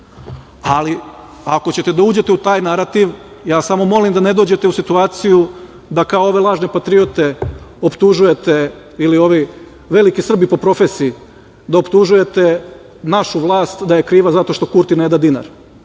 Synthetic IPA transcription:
ali | ako̞t͡ɕe̞t̪ed̪auːd͡ʑe̞t̪eut̪aːjnaɾat̪iʋ | jaːsamo̞mo̞limd̪ane̞d̪o̞ːd͡ʑe̞t̪e̞usit̪uaːt̪siju | d̪akaooʋe̞lˠaːʒne̞pat̪ɾiot̪e̞o̞pt̪uʒuje̞t̪e̞ | ilio̞ʋi | ʋe̞likisr̩bipo̞pɾo̞fesiː | d̪aopt̪uʒuje̞t̪e̞ | naʃuʋlˠaːst̪d̪aje̞kɾiːʋazat̪o̞ʃt̪o̞kuɾt̪ined̪ad̪ina̰ɾ

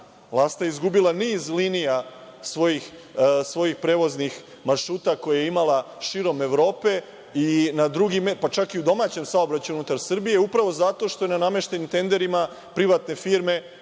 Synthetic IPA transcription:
vlˠast̪ajeizɡubilˠaniːzlinijasʋo̞jixsʋo̞jixpɾe̞ːʋo̞znix | maɾʃuːt̪ako̞jajeimala | ʃiɾo̞meʋɾo̞ːpe̞ | inad̪ɾuɡimepat͡ʃakiud̪o̞maːt͡ɕe̞msao̞bɾat͡ɕuunut̪aɾsr̩bije̞upɾaʋo̞zat̪o̞ʃt̪o̞jenaname̞ʃt̪e̞nimt̪e̞nd̪e̞ɾima | pɾiʋat̪ne̞fiɾme̞

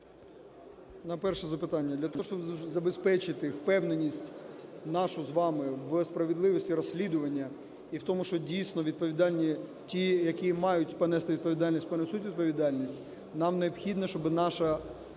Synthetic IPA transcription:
nɐpɛrʃɛzɐpɪt̪ɑnʲːɐd̪lʲɐt̪ɔɔʃt͡ʃɔbzɐbespɛt͡ʃɪt̪ɪwpɛwnenʲːisʲtʲnɑʃʊzʋɑmɪʋspɾɐʋed̪lˠɪʋɔsʲtʲiɾɔsʲlʲid̪ʊʋɐnʲːɐ | iwt̪ɔmʊʃt͡ʃɔdʲijsʲnɔʋʲid̪̚pɔʋʲid̪ɑlʲnʲi | tʲijɐkʲimɑjʊtʲpɔnɛst̪ɪʋʲid̪̚pɔʋʲid̪ɑlʲnʲisʲtʲpɔnɛsutʲʋʲid̪̚pɔʋʲid̪ɑlʲnʲisʲtʲ | nɑmneɔpxʲid̪nɐʃt͡ʃɔbɨnɑʃɐ

